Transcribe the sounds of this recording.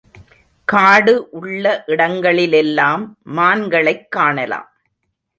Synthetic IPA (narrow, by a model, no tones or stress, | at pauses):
kaːɽɯʔʊɭːɐʔɪɽɐŋɡɐɭɪlɛlːaːmːaːnɡɐɭɐɪkːaːɳɐla̰ːm